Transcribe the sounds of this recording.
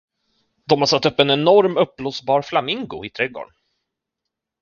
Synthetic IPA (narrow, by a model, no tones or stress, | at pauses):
d̪ɔmhaɾsat̪ːɵpːɛnɛnɔɾmɵpːlusbɑːɾflamɪŋɡʊ̰ɪt̪ʰɾɛɡo̰ːɳ